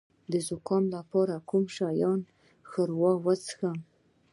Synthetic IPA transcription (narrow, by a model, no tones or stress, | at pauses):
d̪əzʊkʰɑnlapʰɑɾakʰumʃajɑn | xəɾwɑwat͡sxa